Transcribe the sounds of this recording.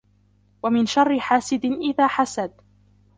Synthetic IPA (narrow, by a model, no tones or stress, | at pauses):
wamɪnʃɑrˤːɪħaːsɪd̪ʔɪðaːħasad̪